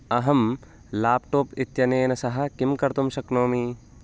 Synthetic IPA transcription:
ɐɦɐm | laːpʈoːpit̪jɐneːnɐsɐɦɐ̆kimkɐɾt̪umʃɐknoːmi

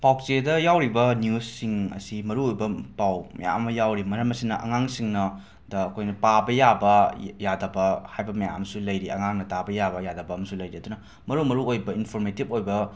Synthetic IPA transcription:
paw̚t͡ʃedɐjawɾibɐnijusːiŋɐ̰simɐɾuojbɐpawmɐ̰ja̰mːɐjawɾimɐɾɐmɐsinɐʔɐ̰ŋaŋsiŋnɐ | dɐːkʰojnɐpabɐjabɐjadɐbɐhajbɐmɐja̰msulɐjɾiɐ̰ŋaŋnɐtabɐjabɐjadɐbɐɐmɐsulɐjɾiɐdunɐ | mɐɾumɐɾuojbɐinpʰoɾmetip̚ojbɐ

